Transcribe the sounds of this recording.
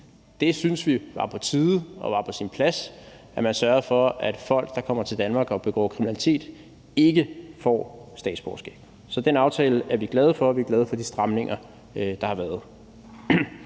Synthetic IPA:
d̥e̝synsʋiʋɑ̈pʰɒ̽t͡sʰiːðˠəɒ̽ʋɑ̈pʰɒ̽sinpʰlæs | æmænsɶɐðˠfɒ̽æd̥fɒ̽l̰ɡ̥̚d̥ɑ̈kʰɒ̽m̰ɐt͡sʰe̝ld̥ænmɑ̈ːɡ̥ɒ̽b̥e̝ɡ̥ɒ̰ːkʰʁiminælit͡sʰe̝̰ːd̥ | e̝ɡ̥əfɒ̰ːsd̥ɛ̰ːd̥sb̥ɒ̰ːsɡ̥ḛːb̥ | sɒ̽d̥enɑ̈ʊt͡sʰɛːləʔæɐʋiɡ̥lɛð̞ˠəfɒ̽æʋiɡ̥lɛð̞ˠəfɒ̽d̥isd̥ʁɑ̈mne̝ŋɐ | d̥ɑ̈hɑ̈ʋæːɐð̩ˠ

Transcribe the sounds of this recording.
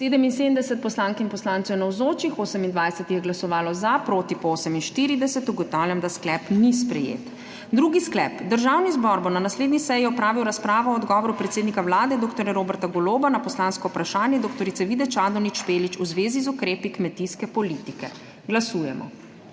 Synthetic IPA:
seːd̪əmins̬eːd̪əmnd̪ɛsɛt̪̚pɔslaːŋkinpɔslaːnt̪sɛwnawzoːt͡ʃixoːsəmind̪ʋajsɛt̪ijɛɡlasɔʋaːlɔzapɾoːt̪ipoːsəminʃt̪iɾid̪ɛsɛt̪uɡɔt̪awljamd̪asklɛpnispɾɛjḛːt̪ | d̪ɾuːɡisklɛ̰ːpd̪əɾʒawnizbɔɾbonanasleːd̪nisɛjiɔpɾaːʋiwɾaspɾaːʋɔɔɔd̪ɡɔːʋɔɾupɾɛt̪seːd̪nikawlaːd̪ɛd̪oːkt̪ɔɾjɛɾoːbɛɾt̪aɡɔloːbanapɔslaːnskɔupɾaʃaːnjɛd̪oːk̚t̪ɔɾit̪sɛʋid̪ɛt͡ʃaːd̪ɔnit͡ʃpeːlit͡ʃuzʋeːzizukɾeːpikmɛt̪iskɛpɔlit̪ikɛ | ɡlasuːjɛmɔ̰

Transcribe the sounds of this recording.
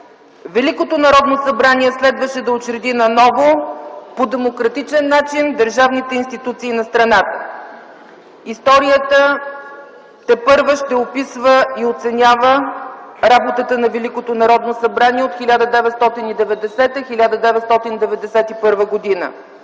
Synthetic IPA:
vɛlikot̪onɐɾɔd̪nosɐbɾaniɛslɛd̪vəʃɛd̪ɐot͡ʃɾɛd̪inɐnɔvopod̪ɛmokɾɐt̪it͡ʃɛnːat͡ʃind̪əɾʒavnit̪ɛinst̪it̪ut̪siːnɐst̪ɾɐnat̪ə̥ | ist̪ɔɾijət̪ə | t̪ɛpɤɾvəʃt̪ɛopisvəiot̪sɛnʲavə | ɾabot̪ət̪ənɐvɛlikot̪onɐɾɔd̪nosɐbɾaniɛot̪xilʲad̪əd̪ɛvɛt̪st̪ɔt̪inid̪ɛvɛd̪ɛsɛt̪əxilʲad̪əd̪ɛvɛt̪st̪ɔt̪ind̪ɛvɛd̪ɛsɛt̪ipɤɾvəɡod̪inə̰

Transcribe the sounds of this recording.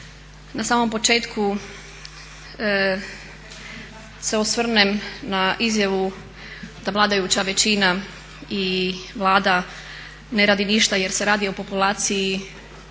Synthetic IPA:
nasaːmo̞mpo̞t͡ʃe̞ːt̪kʰu | se̞osʋr̩nemnaʔizjaʋu | d̪aʋlaːd̪ajut͡ɕaʋe̞t͡ɕina | iʋlˠaːd̪a | ne̞ɾaːd̪iniʃt̪aje̞ɾse̞ɾaːd̪io̞po̞pulaːt̪siji

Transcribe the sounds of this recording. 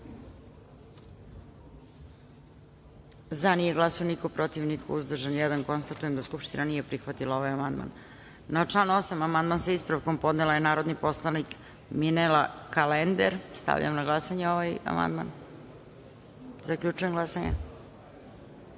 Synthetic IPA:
zanijeɡlˠasooniko̞pɾo̞t̪iʋnikʰouzd̪r̩ʒanjɛd̪anko̞nst̪at̪ujemd̪askupʃt̪inanije̞pɾixʋat̪ilˠao̞ʋajamand̪̚ma̰n | nat͡ʂlano̞samamand̪mansaispɾaʋko̞mpo̞d̪nelajenaːɾod̪nipo̞slanik | minelakalend̪eɾst̪a̰ʋʎʔa̰mnaɡlˠasaɲeo̞ʋaja̰ma̰nd̪ma̰n | zakʎʲut͡ʃuje̞mɡlasaɲḛ

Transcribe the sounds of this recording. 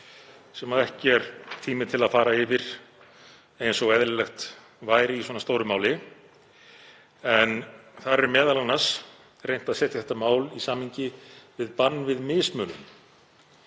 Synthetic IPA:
sɛmaðɛhcɪɛɾt̪ʰiːmɪt̪ʰɪlaðfaːɾaɪvɪɾ̥ | ejnsɔɣɛðlɪlɛxt̪ | vaːjɾɪiswɔnast̪owɾʏmaːwlɪ | ɛnθaɾɛɾmɛːðalanːas | rejn̥t̪aðsɛːt̪jaθɛ̥t̪amaːwlisaːmiɲcɪvɪðpanːvɪðmɪːsmœːlʏ̰m

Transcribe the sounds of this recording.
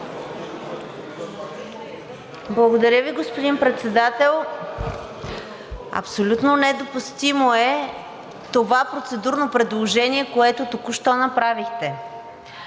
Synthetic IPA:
blˠɐɡod̪ɐɾʲəviɡospod̪inpɾɛt̪sɛd̪at̪ɛlˠ | ɐ̰psolʲut̪nonɛd̪opust̪imoɛ | t̪ovapɾot̪sɛd̪uɾnopɾɛd̪lˠoʒɛniɛkoɛt̪ot̪okuʃt̪ɔnɐpɾavixt̪ɛ

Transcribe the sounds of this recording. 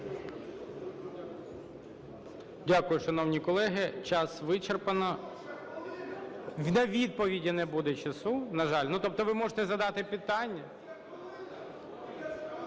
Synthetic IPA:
dʲakʊjʊʃɐnɔwnʲikɔlˠɛɦɪt͡ʃɑsʋɪt͡ʃerpɐnɔ | nɐʋʲid̪̚pɔʋʲidʲinebud̪ɛt͡ʃɐsunɐʒɑlʲnut̪ɔp̚t̪ɔʋɪmɔʒet̪ɛzɐd̪ɑt̪ɪpɪt̪ɑnʲːɐ

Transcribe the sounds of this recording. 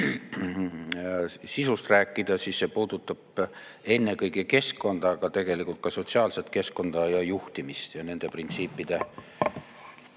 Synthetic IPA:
sisust̪ræːkːˑid̪̥ɑsiːsːe̞puːd̪ut̪ːˑɑb̥ | e̞nːe̞kɤjɡeke̞skko̞nd̪̥ɑːɡ̥ɑt̪e̞ɡ̥e̞likult̪̚kɑso̞t̪siɑːlset̪ˑke̞sko̞nd̪̥ɑjɑjuht̪imist̪jɑne̞nd̪e̞print̪siːpːˑid̪̥e̞

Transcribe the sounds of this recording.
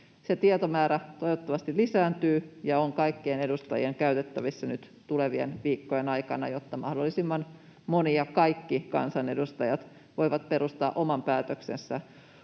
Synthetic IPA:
set̪iet̪omæːɾæt̪oiʋot̪ːɑʋɑst̪ilisæːnt̪yːjɑoŋkɑikːiːnedust̪ɑjḭeŋkæyt̪et̪ːæʋisːænyt̪ | t̪uleʋiḛnʋiːkːojenɑikɑ̰nɑ̰jot̪ːɑmɑ̰hdolːˑisimːɑn | moniɑkɑikːikɑ̰nsɑne̞dust̪ɑjɑt̪ | ʋo̞iʋɑt̪̚pe̞ɾust̪ɑːʔomɑmpæːt̪øksensːæ

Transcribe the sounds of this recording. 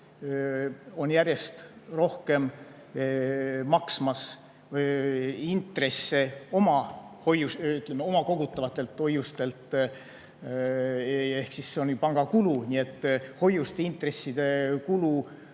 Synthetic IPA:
o̞njæɾje̞st̪ro̞hke̞m | mɑksmɑs | int̪re̞sːe̞o̞mɑho̞jusyt̪ˑlemːeo̞mɑko̞ɡ̥ut̪ːˑɑvɑt̪ːˑe̞lt̪ho̞jːust̪e̞lt̪ | e̞hksisːeonpɑŋɡ̥ɑkulunʲie̞t̪ːˑho̞jːust̪eint̪ˑre̞sːid̪̥e̞kulu

